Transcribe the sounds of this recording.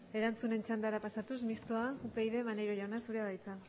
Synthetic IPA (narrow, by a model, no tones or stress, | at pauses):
e̞ɾant͡sune̞nt͡ʃand̪aɾapasat̪usmist̪oaupe̞jðe̞manejɾo̞ʝawnasuɾeaðajt͡sa